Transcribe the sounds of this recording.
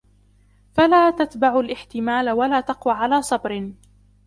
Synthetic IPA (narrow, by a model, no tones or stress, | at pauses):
falaːt̪at̪baʕʊlʔɪħt̪ɪmaːlawalaːt̪ɑqwaːʕalaːsˤɑbɾ